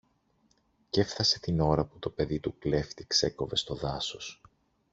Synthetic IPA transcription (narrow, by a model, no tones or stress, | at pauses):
ce̞fθɐse̞t̪ino̞ɾɐput̪o̞pe̞ðit̪ukle̞ft̪ikse̞ko̞ve̞st̪o̞ðɐso̞s